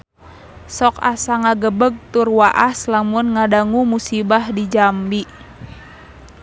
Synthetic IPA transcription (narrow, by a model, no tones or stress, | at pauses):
sɔka̰saŋaɡəbəɡ̚t̪urwaʔaslamunŋadaŋumusibahdid͡ʒambiʔ